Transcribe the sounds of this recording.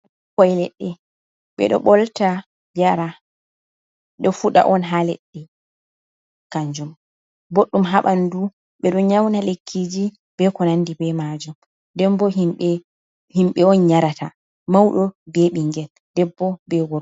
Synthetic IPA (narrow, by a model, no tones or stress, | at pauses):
kɔjlɛɗːɛ | ɓɛ̰ɗɔ̰ɓɔlta | baɾa | ɗɔfuɗa̰ʔɔnɦalɛ̰ɗːɛ | kaɲd͡ʒɔm | boɗːumɦaɓandu | ɓɛɗɔɲawnalekʰːid͡ʒi | b̥ɛkɔnandibɛmad͡ʒɔm | dɛmbɔɦimɓɛ | himɓɛɔnɲaɾatʰa | mawɗɔbeɓiŋɡɛl | dɛbːɔbɛwɔɾ